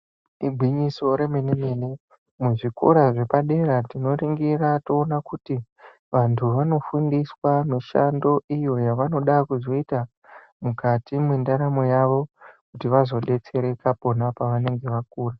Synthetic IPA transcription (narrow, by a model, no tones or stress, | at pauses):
iɡʱwiɲiso̞ɾe̞meneme̞ne̞ | muʐikoɾaʐe̞paɗe̞ɾatino̞ɾiŋɡirato̞ːnakuti | ʋantʰuʋano̞fundiswamiʃa̰ndo̞ijo̞jaʋano̞ɗakuzo̞ita | mukatimwendaɾamo̞jaʋo̞kutiʋazo̞ɗe̞t͡se̞ɾe̞kapo̞napaʋane̞ŋɡe̞ʋak̚uːra